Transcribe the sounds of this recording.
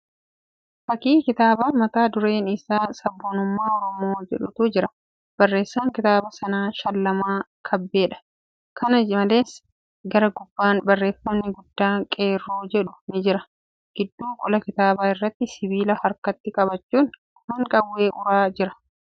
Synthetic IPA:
fɐkiːkɪt̪aːbaːnmɐt̪aːd̪ʊɾe̞ːnɪsaːsɐbːonʊmːaːɔɾɔmoːd͡ʒɛᶑʊt̪uːd͡ʒɪɾɐ | b̥ɐrːe̞ːsːaːŋkɪt̪aːbɐsɐnaːʃɐlːɐmaː | kʰɐbːe̞ːᶑɐ̥ | kʰɐnɐmɐleːs | ɡɐɾɐɡʊbːaːnbɐrːe̞ːfːɐmnɪɡʊd̪ːaːkʼe̞ːrːuːd͡ʒɛᶑʊnɪd͡ʒɪɾɐ | ɡ̥ɪd̪ːuːkʼɔlɐkɪt̪aːbaːɪrːɐt̪ːɪsɪβiːlɐhɐɾkɐt̪ːɪkʼɐbɐt͡ʃːuːn | hɐŋkʼɐwːe̞ːʔʊɾaːd͡ʒɪɾɐ̥

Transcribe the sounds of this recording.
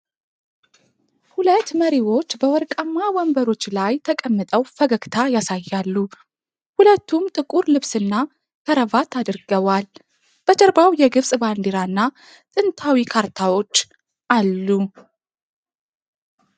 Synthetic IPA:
hulət̪ːməɾiwo̞t͡ʃːbəwɔɾkʼəmːawɔmbəɾo̞t͡ʃːlajt̪ʰəkʼəmːɨt̪ʼəwfəɡəkt̪ʰajasajːalːu | hulət̪ːumt̪ʼɨkʼuɾlɨβsɨnːa | kʰəɾəvat̪ʰad̪ɨɾɡəβal | b̥ət͡ʃʼəɾbawjɛɡɨβsʼband̪eɾaɨnːa | t̪ʼɨnt̪ʰawikʰaɾt̪ʰawo̞t͡ʃː | ʔalːu

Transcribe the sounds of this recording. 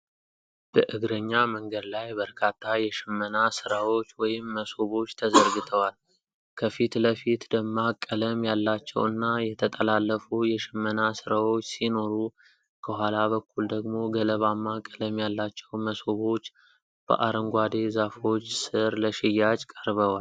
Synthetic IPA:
b̥əʔɨɡɾəɲːaməŋɡəd̪lajbəɾkʰat̪ʰːajɛʃɪmːənasɨɾawo̞t͡ʃːwɔjɪmːəso̞βo̞t͡ʃːt̪ʰəzəɾɡɨt̪ʰəwal | kʰəfit̪ləfit̪d̪əmːakʼːələmjalːat͡ʃːɛ̰wɨnːajɛt̪ʰət̪ʼəlalːəfujɛʃɪmːənasɨɾawo̞t͡ʃːsino̞ɾu | kʰəhwʷalaβəkːuld̪əɡmo̞ɡələβamːakʼːələmjalːat͡ʃːɛwməso̞βo̞t͡ʃː | b̥ə̰ʔaɾəŋɡʷad̪e̞zafo̞t͡ʃːsɨɾləʃɪjːat͡ʃʼkʼəɾβəwall

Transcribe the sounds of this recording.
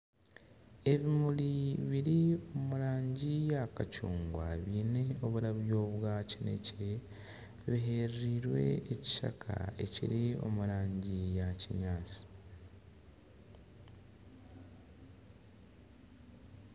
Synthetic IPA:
e̞βimuliβiɾio̞muɾaːɲɟijakacuːŋɡwa̰βiːne̞o̞βuɾaβjo̞ːβwacine̞̰ce | βiɦe̞ɾɾiɾwe̞̰eci̥ʃa̰kʰa̰e̞cḭɾio̞̰muɾaːɲɟijaciɲaːt͡si̥

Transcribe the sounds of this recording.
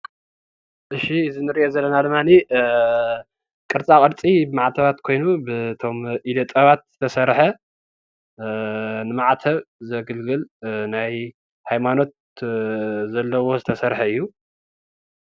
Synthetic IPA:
ʔɨʃiɨzinɨɾiʔezɐlːɐnad̪ɨmːani | kʼɨɾt͡sʼakʼɨɾt͡sʼibɨmaʕt̪ʰɐβat̪kʰo̞jnubɨt̪ʰo̞mʔid̪ot̪ʼɐβat̪̚z̥ɨt̪ʰɐsɐɾħɐ | nɨmaʕt̪ʰɐβzɐɡɨlɡɨlnaj | hajmano̞t̪̚ | zɐlːɐwo̞zɨt̪ʰɐsɐɾħɐɨjːu

